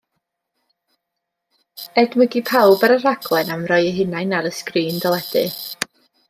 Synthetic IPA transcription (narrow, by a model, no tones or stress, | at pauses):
ɛdməɡipʰawbəɾəraɡlˠɛnamrɔjəɦɪnajnaɾəskriːndɔlˠɛd̥ɨ̰